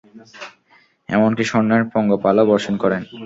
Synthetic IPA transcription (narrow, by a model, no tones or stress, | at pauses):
ɛ̰monkiʃɔnːeɾpɔŋɡopalobɔɾʃonkɔɾen